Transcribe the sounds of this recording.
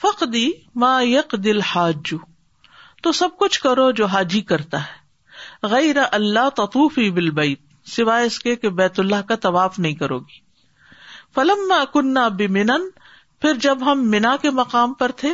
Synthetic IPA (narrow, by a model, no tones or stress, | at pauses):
fɐqd̪i | maːjɐqd̪ɪlħaːd͡ʒʊ | t̪osɐb̚kʊt͡ʃʰkɐɾod͡ʒoːɦaːd͡ʒikɐɾt̪aɦɛ̥ː | ɣɐɪɾʔɐnlaːt̪ɐt̪uːfibɪlbɐɪt̪̚ | sɪʋaːɪskekebɛːt̪ʊlːaɦkat̪ɐʋaːfnɐɦĩkɐɾo̰ːɡiː | fɐlɐmːaːkʊnːaːbɪmɪnɐn | pʰɪɾd͡ʒɐbɦɐmːɪnakemɐqaːmpɐɾt̪ʰeː